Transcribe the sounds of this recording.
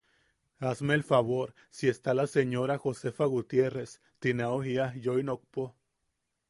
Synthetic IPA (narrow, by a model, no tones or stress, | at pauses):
asmeːlfaβoɾ | sie̞st̪alaseɲoɾaxosefaɣut̪je̞res | t̪inaohiajojnok̚po